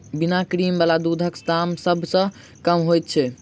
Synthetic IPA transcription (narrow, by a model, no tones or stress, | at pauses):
binakɾimbalad̪ud̪ʱəksd̪amsəbʱsə̃ | kəmɦojt̪̚t͡ʃʰɛ